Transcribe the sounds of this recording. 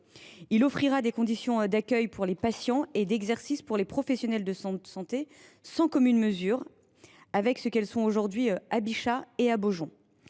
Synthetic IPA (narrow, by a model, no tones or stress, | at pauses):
ilɔfχiʁad̪ekɔ̃d̪isjɔ̃d̪akʲœjpʰuʁlepasjɑ̃ed̪ɛɡzɛʁsispuʁlepχɔfɛsjɔnɛld̪əssɑ̃t̪e | sɑ̃kɔmynməzyʁ | avɛksəkɛlsɔ̃oʒuʁd̪ɥiabiʃaeaboʒɔ̃